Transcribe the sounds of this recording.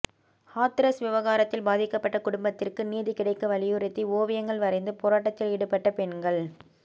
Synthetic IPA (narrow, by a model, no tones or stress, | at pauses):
haːt̪ɪɾɐsʋɪʋɐɣaːɾɐt̪ːɪlbaːðɪkːɐpːɐʈːɐkʊɽʊmbɐt̪ːɪrkɯniːðikɪɽɐɪkːɐʋɐlɪjɯɾɪt̪ːioːʋɪjɐŋɡɐɭʋɐɾɐɪnd̪ɯpoːɾaːʈːɐt̪ːɪlɪɽɯpːɐʈːɐpɛɳɡɐɭ